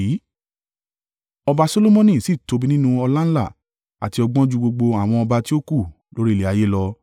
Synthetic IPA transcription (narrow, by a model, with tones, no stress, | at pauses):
i˨˦ | ɔ˧ba˧so˧˦lo˦mɔ̃˦nĩ˦˨si˦˨to˨˧bi˧˦nĩ˦nũ˦˧ɔ˧la˦ñ̩˦la̰˦˨ | a̰˨ti˧ɔ˧ɡ͡bɔ̃˦d͡ʒu˦˧ɡ͡bo˧ɡ͡bo˧a˨w̃ɔ̃˧ɔ˧ba˧ti˦o˦ku˦˨ | lo˨˦ɾi˦i˦˨le˨a˨je˦lɔ˧